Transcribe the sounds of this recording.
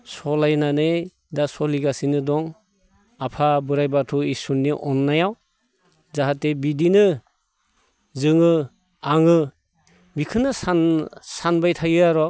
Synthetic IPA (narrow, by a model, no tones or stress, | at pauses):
sɔlajnanɯ | dasɔliɡasinɯdɔŋ | apʰabɯɾajbatʰɔisunːiʔɔnːajaw | zaɦatːebidinɯ | zɯŋɯ | aŋɯ | bikʰɯnasasanbajtʰajɯaɾɔ